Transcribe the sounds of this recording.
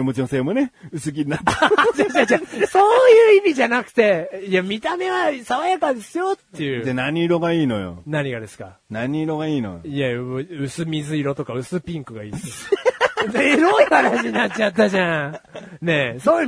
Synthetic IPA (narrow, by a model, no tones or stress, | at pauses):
emot͡ɕinoseːmoneɯsɨɡʲiɲinat̪ːd͡ʑad͡ʑad͡ʑaso̞ːjɯːimʲiʑanakɯ̟̥t̪e̞jamʲit̪ame̞βasaβajakad̪esɨjo̞t̪ːe̞jɯ̟d̪enaɲ̟iɾo̞ɡaiːno̞̰jo̰naɲ̟iɡad̪e̞sɨ̥ka̰ | naɲʲiɾo̞ɡaiːno̰joiaɯ̟sɨmʲizɨiɾo̞t̪o̞kaɯ̟sɨpʲĩŋkɯ̟ɡaḭːs | zeɾoikaɾaɕiɲinat͡ɕːat̪ːaʑãne̞soː